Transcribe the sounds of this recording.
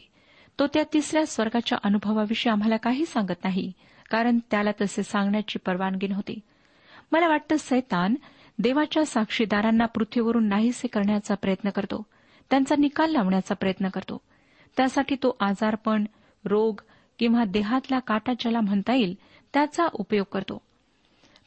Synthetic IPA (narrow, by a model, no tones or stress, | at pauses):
t̪ot̪jat̪isɾjasʋəɾɡat͡ɕja̰ʔənubʱəʋaʋiʂeam̤alakaɦiːsãŋɡət̪naɦi | kaɾəɳt̪jalat̪əsesãŋɡɳjat͡ɕiːpəɾʋanɡiːnɦot̪ḭ | məlaʋaʈ̚t̪əːsəjt̪an | d̪eʋat͡ɕjasakʂid̪aɾanːapɾut̪ʰʋiʋəɾuːnːaɦiːsekəɾɳjat͡sapɾəjət̪nəkəɾt̪o̰ | t̪jant͡sanikalːaʋɳjat͡sapɾəjət̪nəkəɾt̪o̰ | t̪jasaʈʰiːt̪oʔad͡zaɾpəɳ | ɾoɡ | kĩw̃ʋad̪eɦat̪lakaʈat͡ɕalam̤əɳt̪aiːl | t̪jat͡saʔupjoɡ̚kəɾt̪o̰